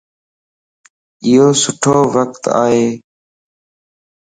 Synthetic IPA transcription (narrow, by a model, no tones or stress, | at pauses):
ɪɦoːsʊʈʰoːʋək̚t̪a̰ːɦeː